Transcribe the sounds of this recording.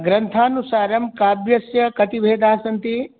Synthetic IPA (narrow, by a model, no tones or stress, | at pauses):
ɡɾɐnt̪ʰaːnusaːɾɐmkaːbjɐsjɐkɐt̪ibʱeːd̪aːɐsɐnt̪i